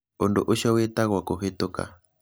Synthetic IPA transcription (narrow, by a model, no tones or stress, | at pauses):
ondo̰ʔoʃɔwetaɣwakoɦetoka̰